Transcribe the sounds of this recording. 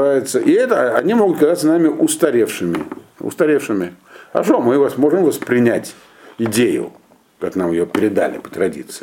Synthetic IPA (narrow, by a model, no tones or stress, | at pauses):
ajɪt̪səʔɪɛt̪əɐnʲimo̞ɡʊt̪̚kɐzat̪sənamʲɪʔʊst̪ɐɾʲefʂɨmʲɪʊ̰st̪ɐɾʲefʂɨmʲɪɐ̰ʂomɨvasmo̞ʐɨmvəspɾʲɪnʲætʲ | ɪdʲejʊ̰ | kaknamjɪjopʲɪɾʲɪd̪a̰lʲɪ̰pə̥t̪ɾɐdʲḭt̪sɨ